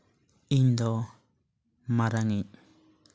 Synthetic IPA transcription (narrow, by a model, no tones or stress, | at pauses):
iɲd̪ɔ | maɾaŋi